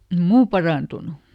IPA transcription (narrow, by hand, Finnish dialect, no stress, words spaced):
ĕm muː pɑrɑˑntunu